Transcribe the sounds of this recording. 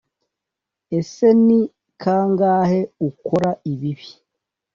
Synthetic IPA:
ese̞ni | kʰaːŋɡaːhe̞ukoɾaiβiβi̥

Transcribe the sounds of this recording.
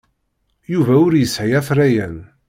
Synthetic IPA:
juvæʊɾjəsʕijæθræjæn

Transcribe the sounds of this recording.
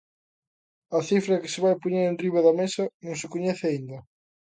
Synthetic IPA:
ɐθifɾɐkɪ̥sɪβajpoɲeɾẽnriβɐðɐmesɐnõŋsɪkoɲɛθɪaind̪ɐ

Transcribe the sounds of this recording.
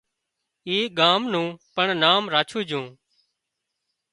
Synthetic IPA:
iːɠaːmnũːpəɳnaːmɾaːt͡ʃʰũːd͡ʒʱũː

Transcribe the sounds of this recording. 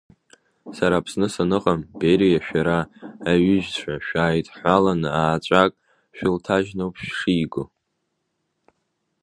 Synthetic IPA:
saɾaːpʰsnɨsanɨqʼambeɾijaʃᶣaɾaːɥʏʒt͡ɕʷʰaʃᶣaːjtʼħʷalanaːt͡ʃʷʼakʼ | ʃᶣɪltʰaʒnowpʰʃʂijɡo

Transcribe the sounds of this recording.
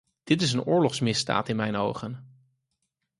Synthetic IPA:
d̥ɪtɪs̬ənʊːɹlɔχsmɪsda̰ːtɪnmɛjno̰wχən

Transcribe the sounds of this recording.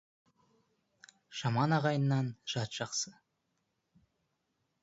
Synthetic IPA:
ʒ̥ɑmɑnɑʁɑjənːɑnʒ̥ɑt̪ʒ̥ɑqsə

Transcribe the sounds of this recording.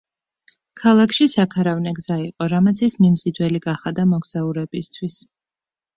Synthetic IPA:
kʰalˠakʰʃisakʰaɾavnɛɡz̥aiqʼɔɾamat̪sʰismimzid̪wɛliɡaχad̪amɔɡz̥auɾɛbist̪ʰwis

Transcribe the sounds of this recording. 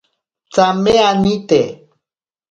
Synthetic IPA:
t͡sameanit̪e

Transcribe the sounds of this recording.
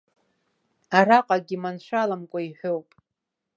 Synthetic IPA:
araqʼaɡʲimanʃʷᶣalamkʷʼaiħʷowpʼ

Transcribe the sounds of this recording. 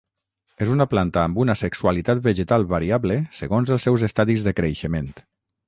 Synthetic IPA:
ezunaplant̪aːmbunasəksualit̪at̪̚bəʒət̪alˠβaɾiaβləsəɣonzəlˠsːɛwzəst̪aðizðəkɾeʃəment̪

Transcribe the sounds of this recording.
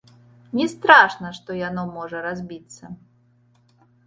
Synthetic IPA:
nʲɛst̪ɾaʂnɐʂt̪ɔjanɔmɔʐɐɾazʲbʲit̪sːɐ

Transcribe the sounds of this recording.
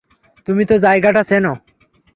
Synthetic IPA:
t̪umit̪ozajɡaʈasɛno

